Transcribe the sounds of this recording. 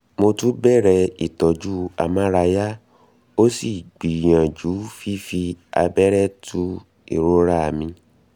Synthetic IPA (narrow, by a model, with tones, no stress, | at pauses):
mo˧tũ˦bɛ˦˨ɾɛ˧i˨tɔ˨d͡ʒu˦a˧mã˦ɾa˧ja˦ | o˦si˦˨ɡ͡bi˨j̃ã˨d͡ʒu˨˦fi˦fi˧a̰˧bɛ˦ɾɛ˦tʰũ˦ | ḭ˦˨ɾo˦ɾa˦˨mĩ˧